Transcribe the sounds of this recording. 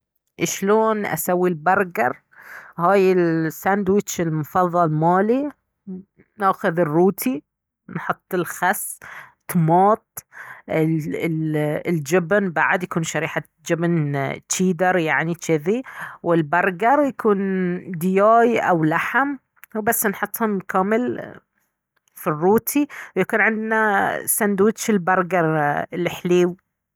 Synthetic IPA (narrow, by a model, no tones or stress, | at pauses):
ʔɪʃloːnʔa̰sawːilbɑɾˤɡɑɾˤ | haːjɪlsand̪wɪt͡ʃɪlmʊfɑðˤːɑlmaːli | naːxʊðɪrːuːt̪ʰi | nħʊt̪ˤːɪlxast̪mɑːt̪̚ˤɪ | ɪld͡ʒɪbnbaʕd̪jakuːnʃaɾiːħa | d͡ʒɪbnt͡ʃiːd̪ɑɾˤjaʕnit͡ʃɪðiwɪlbɑɾˤɡɑɾˤjakuːnd̪ɪjaːjʔawlaħam | wbasːnħʊt̪ˤːhʊmkaːmɪl | firːuːt̪ʰiwjakuːnʕɪnd̪nasand̪uːt̪ʃɪlbɑɾˤɡɑɾˤɪlːɪħliːw